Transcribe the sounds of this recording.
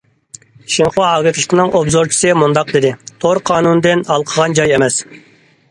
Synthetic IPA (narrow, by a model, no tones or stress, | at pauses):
ʃiŋχwɑɑːɡʲɪt̪lˠɨ̥t̪ʰənɨŋobzoɾt͡ʃʰi̥sɨmund̪ɑq̚d̪ɪd̪ɪt̪ʰoɾqʰɑːnunɨd̪ɨnɑlˠqʰəʁɑnd͡ʒɑjemɛs